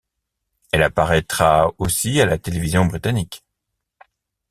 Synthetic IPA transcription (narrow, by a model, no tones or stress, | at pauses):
ɛlapaʁɛt̪χaosialat̪elevizjɔ̃bʁit̪anik